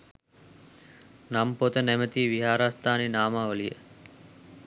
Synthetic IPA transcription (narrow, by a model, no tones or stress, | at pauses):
nampot̪ənɛmət̪iːʋiɦaːɾast̪aːninaːmaːʋəlijə̰